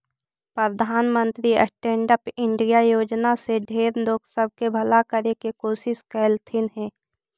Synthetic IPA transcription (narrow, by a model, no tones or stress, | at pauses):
pɾəd̪ʱaːnmə̃nt̪ɾiə̰sʈẽːɳɖəpɪ̃ɳɖijajoːd͡ʒnaseɖʱeːɾloːksəb̚ʱkebʱəlakəɾekekoːsɪskɛlt̪ʰɪnɦɛ̃ː